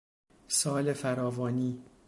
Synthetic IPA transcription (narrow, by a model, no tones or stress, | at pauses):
sɒːlefæɾɒːvɒːniː